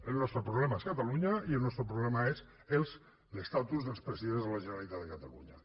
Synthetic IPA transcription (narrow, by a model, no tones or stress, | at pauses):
elnɔst̪ɾəpɾuβlɛmaeskat̪aluɲaielnɔst̪ɾəpɾuβlɛmaes | els | lest̪at̪uzðəlˠspɾəsiðenzðəlaʒəneɾalit̪at̪ðəkat̪aluɲa